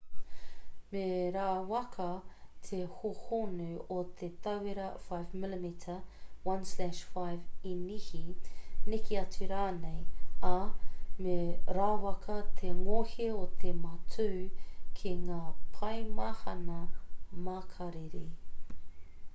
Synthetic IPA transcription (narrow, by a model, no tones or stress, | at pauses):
meɾaːwɐkʰɐt̪ʰehohonʉot̪ʰet̪ɐweɾɐfajvmɪlimitʰəwɐnslæʃfajvinihinikiɐt͡sʉɾaːnejɐmeɾaːwɐkʰɐt̪ʰeŋoheot̪ʰemɐtʰʉːkʰiŋaːpʰɐjmahɐ̰nɐmakʰɐɾeɾe